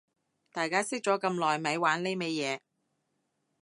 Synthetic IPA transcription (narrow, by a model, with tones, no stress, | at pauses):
t̪aː˨jkaː˥sɪ˥k̚t͡ʃɔː˨˥kɐ˧mlɔː˨˩jmɐ˨˧˥jwaː˨˥nle˥jmɛ˥jɛː˨˧